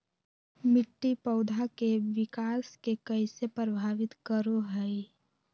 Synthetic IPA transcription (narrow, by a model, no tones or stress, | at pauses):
mɪʈːipəʊd̪ʱakeʋɪkaːskekəɪsepɾəbʱaːʋɪt̪kəɾoɦɛi